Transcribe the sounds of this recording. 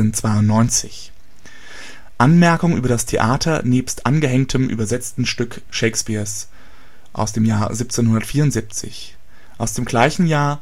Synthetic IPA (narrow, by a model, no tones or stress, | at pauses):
ənt͡sv̥aɪʊntnɔʏnt͡sɪ̰ç | ʔanmɛɐkʊŋʔyːbɐɾastʰeʔaːtʰɐneːpstʔanɡəɦɛŋktʰəmʔy̰ːbɐzɛt͡stn̩ʃtʏk | ʃeɪkspiːɐs | ʔa̰ʊsd̥eːmjaːɐzip̚t͡seːnhʊndɐtfiːɐʊntz̥ip̚t͡sɪ̰ç | ʔaʊsd̥eːmɡlaɪçn̩jaːɐ